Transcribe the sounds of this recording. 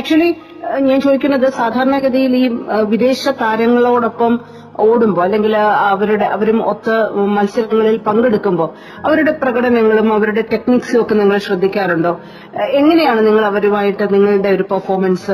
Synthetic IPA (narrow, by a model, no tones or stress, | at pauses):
æk̚t͡ɕuɐli | ɲaːnt͡ɕo̞ːd̪ikʲːunːɐðɨsaːd̪ʱaːɾɐɳɐɡɐðɐjiliːʋid̪e̞ːɕɐkaːɾjɐŋːɐɭo̞ːɽo̞pːɐm | oːɽumbo̞ːɐlːe̞ŋɡilɐʋɐɾuɽeʔɐʋɐɾumot̪ːɨmɐlsɐɾɐŋːɐɭilpɐŋɡe̞ɽukːumbo̞ː | ɐʋɐɾuɽe̞prɐɣɐɽɐnɐŋːɐɭumɐʋɐɾuɽe̞te̞knikso̞kːe̞niŋːɐɭɕrɐd̪ʱːikʲːaːɾuɳɖo̞ː | e̞ŋːɐnejaːɳɨniŋːɐɭɐʋɐɾumaːjiʈːɨniŋːɐɭuɽe̞o̞ɾupɐrfo̞ːrmɐnsɨ